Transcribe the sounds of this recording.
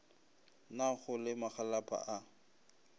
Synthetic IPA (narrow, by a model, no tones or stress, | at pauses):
naχʊlɪmaχalapʰʼa̰ʔa